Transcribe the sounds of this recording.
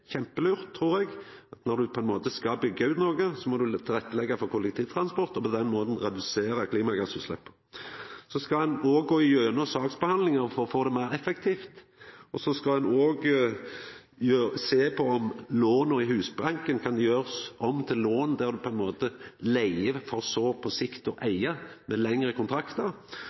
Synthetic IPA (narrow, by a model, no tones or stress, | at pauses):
çɛmpəlʉːʁt̪ʰːɾuːɾɛɡɑt̪nɔɾd̪ʉpʰɔɛnmoːt̪əskɑbʏɡːɑʉːnoːɡəsɔmɔd̪ʉt̪ʰɪlʁɛt̪ːəlɛɡːɑfɔʁkʰɑlɛk̚t̪ʰiːʋt̪ʰɾɑnspɔʁt̪ɔpʰɔd̪ɛnmoːt̪n̩ɾɛd̪ʉseːɾəkʰliːmɑɡɑsslɛ̰pːə | sɔskɑlɑnoːɡɡoːɪjøːnəɔsɑːɡsbɛhɑnd̪lɪŋəʁfɔɾɔfoːd̪ɛmæɪɾɛfɛkt̪ʰiːft̪ | ɔsɔskɑlɛnoːɡ | jøːseːpʰɔɔmloːnɔɪɦʉːsbɾɑŋkənkʰɑnd̪ɛjøːɾəsɔmt̪ʰɪlːoːnd̪æʁd̪ʉpʰɔɛnmoːt̪əlæɪəfɔʁsoːpʰɔsɪkt̪ɔʔæɪɑmɛlɛŋɾəkʊnt̪ʰɾɑkt̪ɑ